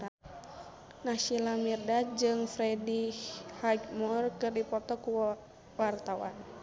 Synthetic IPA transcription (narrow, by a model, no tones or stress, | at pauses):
naʃilamirdad͡ʒɨŋfɾɛdihhaɡmurkɨrdipɔt̪ɔku | wart̪awa̰n